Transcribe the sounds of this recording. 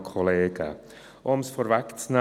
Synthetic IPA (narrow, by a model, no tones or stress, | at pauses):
kʰɔleːɡə̰ | ɔmsfɔɾvaktna